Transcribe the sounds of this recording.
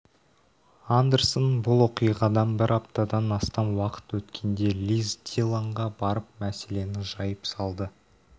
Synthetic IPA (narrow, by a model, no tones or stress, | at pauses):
and̪e̞ɾsonbʊlˠwo̞qijʁɑd̪ɑnbɪɾɑp̚t̪ɑd̪ɑnɑst̪ɑnwɑqə̥t̪wɵt̪kʲʰe̞nd̪e̞lʲizt̪ʲilˠoɴʁɑbɑɾəp̚mæse̞le̞nɪʒɑjəpsɑlˠd̪ə